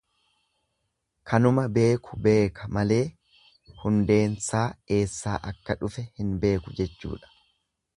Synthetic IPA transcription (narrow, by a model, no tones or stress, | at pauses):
kʰɐnʊmɐbe̞ːkʊ̥be̞ːkɐmɐle̞ː | hʊnd̪e̞ːnsaːe̞ːsːa̰ːʔɐkːɐᶑʊfɛhɪnbe̞ːkʊd͡ʒɛt͡ʃːṵːᶑɐ̥